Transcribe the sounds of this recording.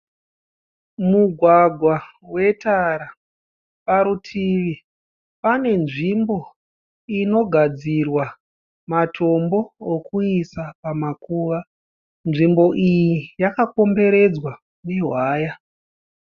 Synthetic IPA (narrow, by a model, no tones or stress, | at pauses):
muɡʱwaɡʱwawe̞taɾa | paɾutʰiʋi | pane̞nʐimbo̞ | ino̞ɡʱad͡zirwa | matʰo̞mbo̞ːkuisapamakuːʋa | nʐimbo̞ʔijijakako̞mbe̞ɾe̞d͡zwa | neɦwaːja